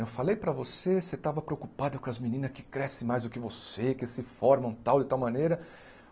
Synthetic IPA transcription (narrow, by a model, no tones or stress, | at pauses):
ewfalejpɾɐvoseset̪avɐpɾeokupad̪ʊkõɐzminĩnɐskɪ̥kɾɛsɪmajzd̪ʊkɪvosekɪsɪfɔɾmɐ̃w̃t̪awd͡ʒɪt̪awmɐ̃nejɾɐ